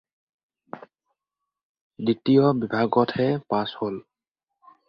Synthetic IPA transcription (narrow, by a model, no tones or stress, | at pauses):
ditijɔbibʱaɡɔtʰhɛpashol